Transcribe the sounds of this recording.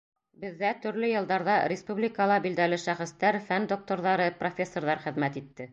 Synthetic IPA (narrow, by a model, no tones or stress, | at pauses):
bɘ̆ðːæt̪ɵ̆ɾlɵjɤ̆lˠd̪ɑɾðɑɾʲɪspublʲɪkəlˠɑbild̪ælɘʃæχɘ̆st̪æɾfænd̪ok̚t̪oɾðɑɾɤprofʲesːo̞rɾðɑɾχɘ̆ðmæt̪it̪ːɘ